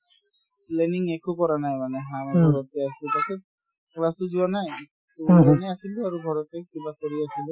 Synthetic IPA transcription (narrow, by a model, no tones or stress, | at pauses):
leniŋekokɔɾanajmaneɦameɡʱɔɾɔt̪easilut̪ake | klasud͡ʒuanaj | tud͡ʒaneasiluaɾuɡʱɔɾɔt̪ekibakoɾiasilu